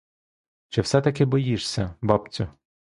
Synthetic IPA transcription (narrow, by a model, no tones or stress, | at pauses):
t͡ʃɪwsɛt̪ɐkɪbɔjiʂsʲɐbɑpt͡sʲʊ